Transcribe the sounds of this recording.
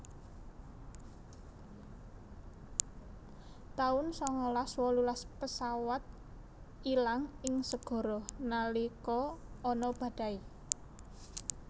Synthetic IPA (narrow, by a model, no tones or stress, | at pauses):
t̪aʊnsɔŋɔlaswɔlulaspəsawat̪̚ | ilaŋɪŋsəɡ̥ɔ̤ɾɔhnalikɔɔnɔb̥ä̤d̥a̤i